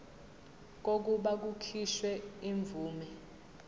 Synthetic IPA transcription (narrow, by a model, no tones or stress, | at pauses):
k̬ok̬uɓak̬ukʰiʃwɛiɱb̪vuːmɛ